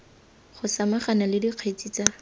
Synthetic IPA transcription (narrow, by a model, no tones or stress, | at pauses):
χʊsamaχanalɪdiq͡χʰwet͡sʼit͡sa